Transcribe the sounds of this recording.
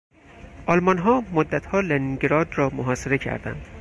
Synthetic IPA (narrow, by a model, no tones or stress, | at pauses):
ʔɒlmɒnɦɒːmod̪ːæt̪ʰhɒːleniɡɾɒːd̪rɒːmoɦɒːseɾe̞cʰæ̰ɾd̪æ̰nd̪̥